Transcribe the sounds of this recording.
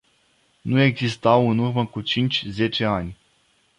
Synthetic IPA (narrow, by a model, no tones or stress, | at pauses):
nue̞ɡzist̪awɨnurməkut͡ʃint͡ʃʲze̞t͡ʃe̞anʲ